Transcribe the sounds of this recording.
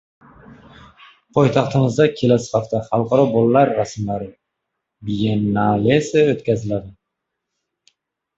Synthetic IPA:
pʰojt̪ʰɑχt̪ʰɪmɪzd̪akʲʰe̞lasɪ̥aft̪aχɑlˠqʰɑɾɒbolˠːaɾːasmlaɾɪ | bijenalesɪot̪kʲazɪlad̪ɪ

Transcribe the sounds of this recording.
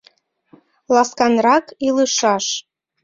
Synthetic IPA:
lɑskɑnrɑkiləʃɑʃ

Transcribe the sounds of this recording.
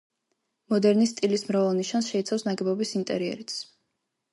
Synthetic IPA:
mɔd̪ɛɾnist̪ʼilismɾavalˠniʃansʃɛit̪sʰafsnaɡɛbɔbisint̪ʼɛ̰ɾiɛ̰ɾit̪sʰ

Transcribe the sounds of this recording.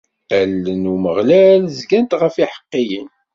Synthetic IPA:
ælːənuməʁlælzɡænt̪ʁəfiħə̥qːijən

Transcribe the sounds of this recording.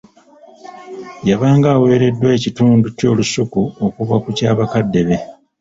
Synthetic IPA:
jaβaːŋɡaːwe̞ːɾe̞dːwe̞ːcituːnduco̞ːlusukuo̞kuβakucaːβakadːe̞βe̞

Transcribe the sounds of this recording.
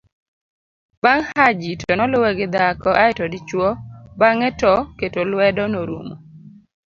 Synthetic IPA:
b̥aŋhad͡ʒitɔnɔlʊwɛɡɪd̪akɔʔaɪtɔdɪt͡ʃwɔbaŋɛtɔketolwɛdɔnoɾṵmo̰

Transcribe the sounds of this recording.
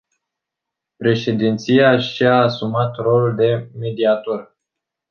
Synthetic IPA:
pɾe̞ʃe̞d̪int̪siaʃiaːsumat̪ro̞luld̪e̞me̞d̪iat̪ur

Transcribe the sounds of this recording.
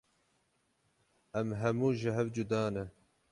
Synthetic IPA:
ɛmɦɐmuːʒɪɦɛvd͡ʒud̪ɑːnɛ

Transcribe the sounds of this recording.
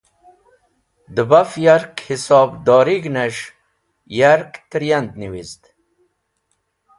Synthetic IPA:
d̪əbafjaɾkhisɔːbd̪ɔːɾiɡneʂ | jaɾkt̪ɾjand̪niwizd̪

